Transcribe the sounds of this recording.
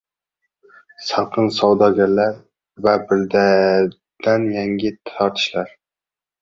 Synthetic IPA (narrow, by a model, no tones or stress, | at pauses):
sɑɾqʰɨnsɒwd̪ɒɡʲanlaɾ | vabɪɾd̪a | d̪̥anjaŋɡʲɪt̪ʰɒɾt̪ʰɪ̥ʃlaɾ